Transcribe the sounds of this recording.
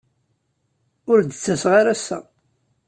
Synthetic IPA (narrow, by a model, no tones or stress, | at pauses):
ʊɾd̪ət͡sːæsʁaɾæsːæ̰